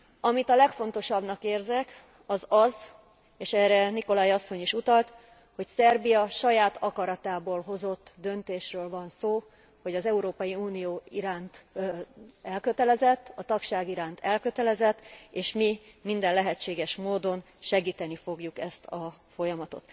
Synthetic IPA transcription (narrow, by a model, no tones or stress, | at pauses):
ɒmit̪ɒlɛkfo̞n̪t̪o̞ʃɒbnɒkeːrzɛk | ɒzɒz | eːʃɛːrɛniko̞laːjɒsːo̞ɲiʃut̪ɒlt̪ | ho̞csɛrbijɒʃɒjaːt̪ʰɒkɒɾɒt̪aːboːlɦo̞zo̞t̪ːd̪ø̞nt̪eːʃrøːlvɒnsoː | ho̞ɟɒzɛuɾoːpɒjiuːnijoːiɾaːnt̪ | ɛlkø̞t̪ɛlɛzɛt̪ːɒt̪ɒkʃaːɡiɾaːnt̪ʰɛlkø̞t̪ɛlɛzɛt̪ːeːʃmimind̪ɛnlɛɦɛt͡ʃːeːɡɛʃmoːd̪o̞n | ʃɛɡiːt̪ɛnifo̞ɡjukɛst̪ʰɒfo̞jɒmɒt̪o̞̰t̪